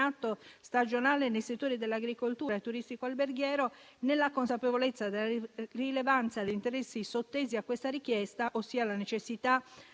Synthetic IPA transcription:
at̪ːost̪ad͡ʒonaːlenejset̪ːoːɾid̪elːaɡɾikolt̪uːɾaet̪ːuɾist̪ikoalberɡjɛːɾo | nelːakonsapevolet̪sːad̪elarilevant̪sad̪eint̪eɾɛsːisot̪ːeːziakːwest̪aɾik̟jɛst̪aʔosːiːalanet͡ʃesːit̪a

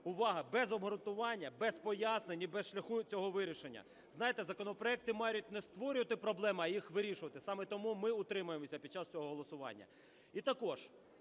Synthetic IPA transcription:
ʊʋɑɦɐbɛzɔbɦɔɾʊnt̪ʊʋɑnʲːɐbɛspɔjasnenʲibɛsʃlʲɐxut͡sʲɔɦɔʋɪɾʲiʃenʲːɐ̰ | znɑjet̪ɛzɐkɔnɔpɾɔɛk̚t̪ɪmɑjʲʊtʲnɛst̪ʋɔɾʲʊʋɐt̪ɪpɾɔblˠɛmɐjixʋɪɾʲiʃʊʋɐt̪ɪsɑmɛt̪ɔmumɪʊt̪ɾɪmʊjemɔsʲɐpʲid̪̚t͡ʃɑst͡sʲɔɦɔɦɔlˠɔsʊʋɑ̰nʲːɐ̰ | it̪ɐkɔʒ

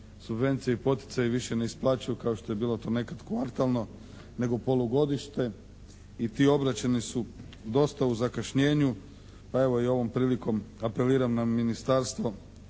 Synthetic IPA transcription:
subʋe̞nt̪sijeipo̞t̪jɪ̥t̪sajiʋiʃe̞neisplˠaːt͡ɕujukaoʃt̪o̞jebiːlˠo̞t̪o̞ːne̞kat̪kʋaɾt̪alˠno̞ | ne̞ɡopo̞lˠuɡo̞d̪iʃt̪e̞ | it̪io̞bɾat͡ɕenisu | d̪o̞st̪auzakaʃɲe̞ːɲu | pae̞ʋo̞io̞ʋo̞mpɾiːliko̞mape̞liːɾamnaminist̪aɾst̪ʋo̞

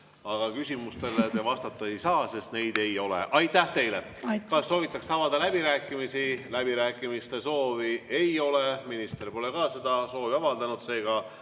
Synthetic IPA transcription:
ɑɡ̥ɑkysʲimust̪e̞let̪evɑst̪ɑt̪ːˑɑe̞jsɑːse̞st̪ne̞jd̪̥e̞jo̞lḛʔɑjt̪ːæht̪e̞jle | kɑsːo̞ːvit̪ˑːɑksɑvɑd̪̥ɑlæb̥iɾæːkːˑimisilæbiɾæːkːˑimist̪e̞so̞ːvie̞jo̞leminist̪erpo̞le̞kɑːse̞d̪̥ɑso̞ːviɑvɑld̪ɑnud̪̥se̞ːɡ̥ɑ

